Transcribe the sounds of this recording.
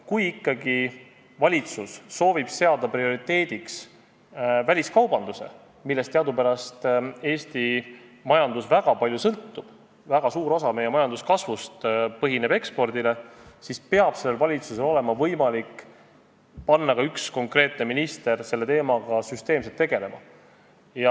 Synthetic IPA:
kujikːˑɑɡi | vɑlʲit̪susːo̞ːvib̥se̞ɑd̪̥ɑprio̞ɾit̪e̞ːd̪̥iks | vælʲiskɑwbɑnd̪use̞̰ | milːest̪eɑd̪upæɾɑst̪e̞ːst̪imɑjɑnd̪usvæɡ̥ɑpɑlʲjusɤlt̪ːub̥ | væɡ̥ɑsuːɾo̞sɑme̞jemɑjɑnd̪̥uskɑsvust̪pɤɦine̞be̞kspo̞rd̪̥ile̞sispe̞ɑb̥se̞lːe̞lvɑlʲit̪suse̞lo̞le̞mɑvɤjmɑlikː | pɑnːɑkɑyksko̞ŋkre̞ːt̪ˑne̞minist̪e̞ɾse̞lːe̞t̪e̞ːmɑɡ̥ɑsyst̪eːms̬et̪ːe̞ɡe̞le̞mɑ̰ | jɑ

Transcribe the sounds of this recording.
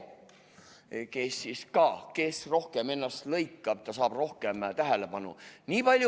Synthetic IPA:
kesːiskɑːke̞sro̞hkeme̞nːɑst̪lɤjkːˑɑb̥t̪ɑsɑːb̥ro̞hkemt̪æɦæle̞pɑnṵniːpɑlʲj

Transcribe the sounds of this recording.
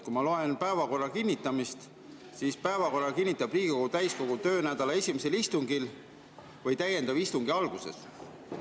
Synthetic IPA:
kumɑloe̞npæe̞vɑko̞rːɑkinʲːit̪ːˑɑmist̪ | sispæevɑko̞rːɑkinʲːit̪ːˑɑbriːɡ̥iko̞ɡut̪æjsko̞ɡ̥ut̪ø̞ːnæd̪̥ɑlɑe̞sʲimese̞list̪uŋɡil | vɤjt̪æje̞nd̪̥ɑβist̪uŋɡ̥iɑlɡ̥use̞̰s

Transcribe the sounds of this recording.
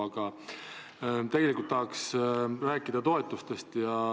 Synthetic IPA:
ɑɡ̥ɑ | t̪e̞ɡ̥e̞likult̪ːɑɦɑksræːkːˑid̪ɑt̪o̞e̞t̪ːˑust̪e̞st̪jɑ

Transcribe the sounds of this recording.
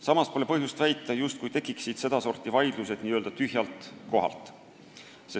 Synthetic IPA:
sɑmɑspo̞le̞pɤɦjust̪væjt̪ːˑɑjust̪kujt̪e̞kˑːiksid̪̥se̞d̪̥ɑso̞rt̪ːˑivɑjd̪̥luse̞d̪niːøld̪̥ɑt̪yɦjɑlt̪ˑko̞ɦɑ̰lt̪ˑ | se

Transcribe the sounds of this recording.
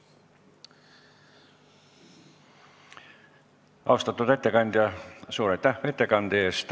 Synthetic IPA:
ɑwst̪ɑt̪ːut̪et̪ːekɑnd̪̥jɑsuːɾet̪ːæʋet̪ːˑekɑnd̪est̪

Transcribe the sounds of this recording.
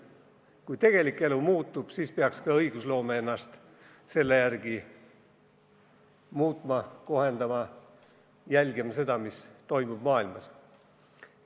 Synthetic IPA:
kujt̪e̞ɡ̥e̞likːˑe̞lumuːt̪ˑːub̥siːspeɑkskɑɤjɡ̥uslo̞ːmeenːɑst̪ | se̞lːe̞jærɡ̥i | muːt̪ˑmɑko̞ɦe̞nd̪̥ɑmɑ | jælʲɡimɑse̞d̪̥ɑmist̪o̞jmub̥mɑːilmɑs

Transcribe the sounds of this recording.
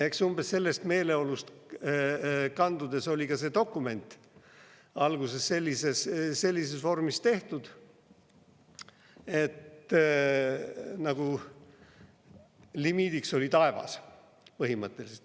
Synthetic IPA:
e̞ksumb̥esse̞lːe̞st̪me̞ːle̞o̞lust̪ | kɑnd̪̥ud̪̥e̞so̞lʲikɑse̞ːd̪o̞kːˑume̞nʲt̪ˑ | ɑlɡuse̞sːe̞lʲːise̞sse̞lʲːisesvo̞rmist̪e̞ht̪ud̪̥ | e̞t̪ | nɑɡ̥u | limiːd̪ikso̞lʲit̪ɑe̞vɑ̰s | pɤɦimɤt̪ːˑe̞liset̪

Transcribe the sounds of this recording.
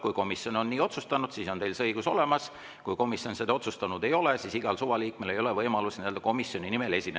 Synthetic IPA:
kujko̞misjo̞no̞nːiːo̞t̪sust̪ɑnud̪̥siːso̞nt̪e̞jlsɤjɡ̥uso̞̰le̞mɑs | kujko̞misjo̞nsed̪ɑo̞t̪sust̪ɑnud̪e̞jo̞lesisiɡ̥ɑlsuvɑliːkme̞lejo̞levɤjmɑlusniøld̪̥ɑko̞misjo̞nʲinime̞le̞sʲinːe

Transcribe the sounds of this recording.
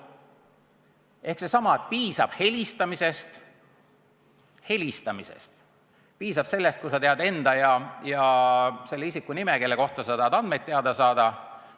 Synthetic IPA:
ʔe̞hkse̞sɑmɑet̪̚piːsɑb̥he̞lʲist̪ɑmise̞st̪ | he̞lʲist̪ɑmisḛst̪ | piːsɑb̥se̞lːe̞st̪̚kujsɑt̪e̞ɑd̪e̞nd̪̥ɑjɑjɑse̞lːeisikːˑunimeke̞lːe̞ko̞ht̪ɑsɑt̪eːd̪̥ɑnd̪̥me̞d̪ːeɑd̪̥ɑsɑːd̪̥ɑ

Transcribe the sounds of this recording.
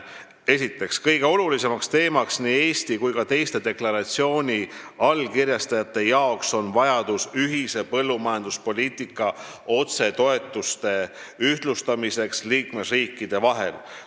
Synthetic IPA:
e̞sit̪ːˑe̞kskɤjɡ̥e̞o̞lulise̞mɑkst̪e̞ːmɑksniːe̞ːst̪ikujkɑt̪e̞jst̪e̞d̪e̞klɑɾɑt̪sio̞ːnʲi | ɑlkirjɑst̪ɑjɑt̪ːˑe̞jɑokso̞nvɑjɑd̪̥usyɦise̞pɤlːumɑjɑnd̪̥uspo̞lʲiːt̪ˑikːˑɑ | o̞t̪se̞t̪o̞e̞t̪ːˑust̪e̞yht̪lust̪ɑmise̞ksliːkme̞sriːkːid̪̥e̞vɑɦe̞̰l

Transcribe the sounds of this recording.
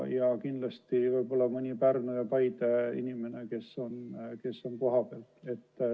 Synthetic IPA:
jɑkind̪lɑst̪ivɤjbo̞lːɑmɯnʲipærnujɑpɑjd̪eḭnʲime̞ne̞ke̞sːo̞nke̞sːo̞nko̞ɦɑpeːlt̪e̞t̪ː

